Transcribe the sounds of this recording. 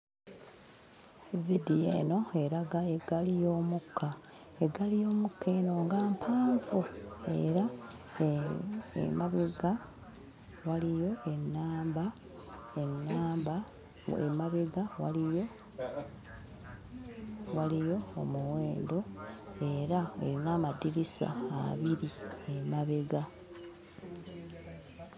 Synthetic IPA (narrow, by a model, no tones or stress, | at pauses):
vidiḛːno̞e̞ɾaɡaeɡalijo̞ːmukʰːa | eɡalijo̞ːmukʰːe̞ːno̞ːŋɡaːmpʰaːɱfue̞̰ɾa | maβeɡa | walijo̞e̞nːaːmba | enːaːmba | ḛmaβe̞ɡawalijo | walijo̞ːmuweːndo̞e̞ɾaḛɾinaːmadiɾisa̰a̰βiɾiemaβeɡa